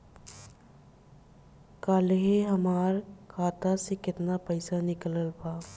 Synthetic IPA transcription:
kaːleɦeɦɐmaːɾkʰaːt̪asekɪt̪napəɪsanɪkələlpaː

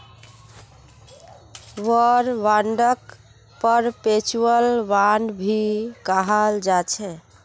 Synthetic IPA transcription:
ʋəɾʋãɳɖək | pəɾpet͡ʃuəlʋaɳɖbʱikaɦəld͡ʒat͡ʃʰɛ

